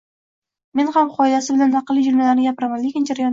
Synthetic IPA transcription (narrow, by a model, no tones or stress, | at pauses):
me̞nhamχʰɒjd̪asɪbɪlant̪ʰaqɨlːid͡ʒʊɾmalaɾnɪɡʲapɾamalɪkʲɪnd͡ʒaɾajɒn